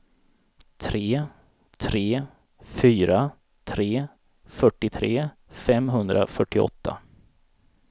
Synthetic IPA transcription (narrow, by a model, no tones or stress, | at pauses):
t̪ʰɾeː | t̪ʰɾeː | fyːɾa | t̪ʰɾeː | fœʈːɪt̪ʰɾeː | fɛmɦɵnd̪ɾa̰fœʈːɪɔ̰t̪ːa̰